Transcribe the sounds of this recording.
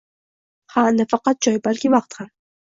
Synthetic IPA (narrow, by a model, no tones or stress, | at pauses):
hanafɑqɑt̪̚d͡ʒɒjbalkʲɪvɑqt̪ham